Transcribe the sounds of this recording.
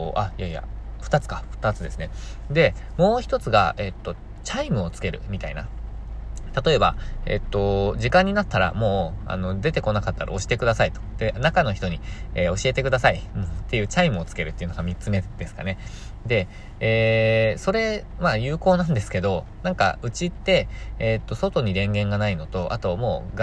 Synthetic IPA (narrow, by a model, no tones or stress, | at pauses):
ʔaijaia̰ɸt̪at͡sɨ̥kaɸɯ̟̥t̪at͡sɨd̪e̞sɨne̞d̪e̞mo̞ːçi̥t̪o̞t͡sɨɡa̰e̞t̪ːo̞ | t͡ɕaimɯ̟o̞t͡sɨ̥ke̞ɾɯ̟̰mʲit̪aina̰ | t̪at̪o̞e̞ba̰e̞̰t̪ːo̞ʑikãɲ̟ːinat̪ːaɾa̰mo̞ːa̰no̞d̪e̞t̪e̞ko̞nakat̪ːaɾa̰o̞ɕi̥t̪e̞kɯ̟d̪asait̪o̞̥d̪̥enakano̞çi̥t̪o̞ɲ̟ieːo̞ɕie̞t̪e̞kɯ̟d̪asaimt̪ːe̞jɯ̟ːt͡ɕaimɯ̟o̞t͡sɨ̥ke̞ɾɯ̟t̪ːeiɯ̟noɡamʲit͡sɨme̞d̪̥e̞sɨ̥ka̰ne̞ | d̪e̞ | eːso̞ɾe̞ | majɯːko̞ːnãnd̪e̞sɨ̥ke̞d̪o̞ | nãŋka̰ɯ̟t͡ɕit̪ːe̞ːt̪ːo̞so̞t̪o̞ɲ̟iɾẽ̞ŋɡẽ̞ŋɡanaino̞t̪o̞ʔa̰t̪o̞mo̞̰ːɡ